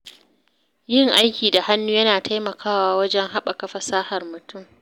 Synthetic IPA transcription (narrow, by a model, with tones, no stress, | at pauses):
jɪ˦ŋʔa˦jkʲiː˨da˨ha˦nːuː˦jɐ˦naː˨tʰa˦jmɐ˨kʰaː˦waː˦wɐ˦d͡ʒɛ˦ŋɦa˦ɓa˨kɐ˦ɸɐ˦saː˦hɐ˨rmʊ˨tʊ˦˨m